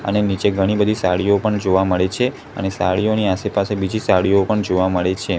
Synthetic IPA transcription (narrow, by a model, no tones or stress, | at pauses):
ə̰nenit͡ʃeɡʱəɽ̃ibəd̪ʱisa̰ɭiopəɳd͡ʒoʋaməɭet͡ʃʰe | ə̰nesa̰ɭioniasepasebid͡ʒisaɭijopəɳd͡ʒoʋaməɭet͡ʃʰe